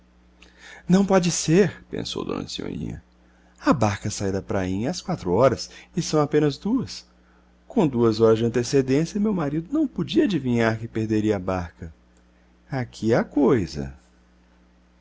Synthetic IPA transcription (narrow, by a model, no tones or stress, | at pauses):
nɐ̃w̃pɔd͡ʒɪseɾpḛ̃so̰wd̪õ̰nɐ̰sio̰ʎḭ̃ɲɐ̰ | ɐbaɾkɐsajd̪ɐpɾaĩɲɐaskwat̪ɾuɔɾɐsɪsɐ̃w̃apẽnɐzd̪uɐs | kõd̪uɐzɔɾɐzd͡ʒɪɐ̃nt̪esed̪ẽsjɐmewmaɾid̪ʊnɐ̃w̃pod͡ʒiɐad͡ʒivĩɲaɾkɪpeɾd̪eɾiɐabaɾkɐ | akʰiakojzɐ̰